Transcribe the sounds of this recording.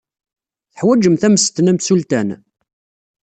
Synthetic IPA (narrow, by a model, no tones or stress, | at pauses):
θħwæd͡ʒəmθæməst̪næmsult̪æn